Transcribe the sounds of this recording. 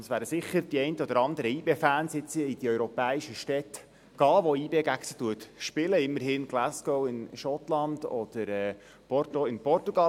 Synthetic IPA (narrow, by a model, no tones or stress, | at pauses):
əsʋæːɾəsɪχːəɾd̥iɛɪnt̪əɔd̥̪əɾɑnd̪əɾəiːbeːfæːnsɪt͡siid̥̪iœʏɾɔpɛːiʃəʃtɛt | ɡ̥ɑːʋoiːbeːɡæksətuətʃpɪləɪmːəɾhɪːnɡlæsɡ̥owɪnʃɔt̪lɑnd̥ɔd̪̥əɾɛ | pɔtoɪnpɔrtuɡɑ